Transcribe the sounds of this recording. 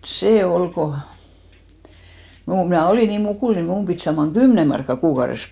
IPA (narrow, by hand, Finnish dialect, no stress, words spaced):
seˑ ol ko mu mnæˑ oliˑ niːn mukuˑl ni mum pit sɑːmɑŋ ɡ̊ymne mɑrkːɑ kuːkɑures